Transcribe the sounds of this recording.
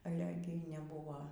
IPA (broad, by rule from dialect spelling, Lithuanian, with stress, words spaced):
ɐˈlʲɛ ˈɡʲɪ nʲɛˈbuːʋoː